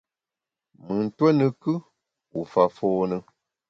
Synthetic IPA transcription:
mɨ˨n̩˨twɛ˦nɨ˨kɨ˦ | u˨fa˨fɔː˦nɨ˦

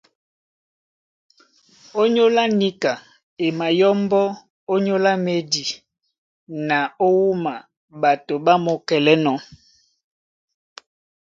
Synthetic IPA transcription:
o˦ɲo˦la˦ni˦ka˨ | e˨ma˨jɔ˦mbɔ˦ | o˦ɲo˦la˦me˨di˨ | na˨o˦wu˦ma˨ | ba˨to˨ba˦mo˨kɛ˨lɛ˦nɔ˨˦

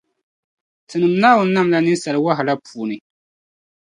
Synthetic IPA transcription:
tʰɨ˨nɨ˨mnaː˦wʊ˦nː˦a˦mla˦nɨ˦n˦sa˨lɨ˨˦wa˦ɦa˨la˦pʰuː˨nɨ˨

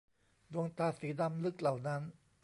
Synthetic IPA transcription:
du˧əŋt̪aː˧˩siː˨˦da˧mlɯ˦˥k̚la˨˩wna˦˥n

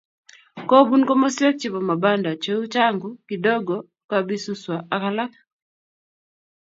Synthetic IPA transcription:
ko˦bu˦nkɔ˦mɔ˦sjɛ˦k̚t͡ʃɪ˨bɔ˨ma˨ba˦nda˨t͡ʃe˦u˦t͡ʃa˦ŋɡʊ˨ki˨dɔ˦ɡɔ˨ | ka˦bi˦su˦swa˨a˨ka˦la˦k̚

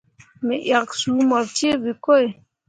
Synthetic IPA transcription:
me˨ʔja˨ksu˨˦mɔ˨ɾte˦bi˨ko˦e˨

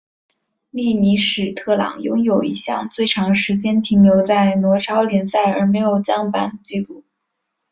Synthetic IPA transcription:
li˥˩ni˧˥ʂɻ̩˨˩t̪ʰɤ˥˩lɑ̰˨˩ŋjʊ̰˥ŋjo˨˩ʊḭ˧˥ɕjɑ̰˥˧ŋt͡swe˥˩ɪʈ͡ʂʰɑ˧˥ŋʂɻ̩˧˥t͡ɕjɛ˥nt̪ʰi˧˥ŋnjo˧˥ʊt͡sa˥˩ɪnwɔ˧˥ʈ͡ʂʰɑ˥ʊljɛ˧˥nsa˥˩ɪə˞˧˥me˧˥ɪjo˨˩ʊt͡ɕjɑ˥ŋpa˧˩nt͡ɕi˥˧lu˥˩

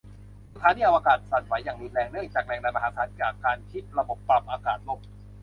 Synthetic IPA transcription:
a˧t̪ʰaː˨˦niː˧˩ʔwa˧kaː˨˩t̪̚sa˨˩nsa˨˩˦jːaː˨˩ŋliː˧nɾɛː˧ŋnɯ˥˩əŋt͡ɕaː˨˩k̚lɛː˨˩ŋlɛː˧ma˧ɦaː˨˦˥sʰaː˨˦˥nt͡ɕaː˨˩kːaː˧nkʰi˦˥˩t̪̚ɾa˧bo˨˩pːa˧˩mʔaː˧kaː˨˩t̪̚lo˧˥˩k̚

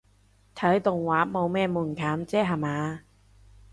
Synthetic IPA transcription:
t̪ʰɐ˨˥jt̪ʊ˨ŋwaː˨˥mo˨˧wmɛː˥˩muː˨˩nkʰaː˨˥mt͡sɛː˥ɦa˨˩maː˨˧

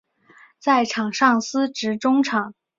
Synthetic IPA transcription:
t͡sa˥˩ɪʈ͡ʂʰɑ˨˩ŋʂɑ˥˩ŋsɹ̩˥ʈ͡ʂɻ̩˧˥ʈ͡ʂʊ˥ŋʈ͡ʂʰɑ˨˩˦ŋ

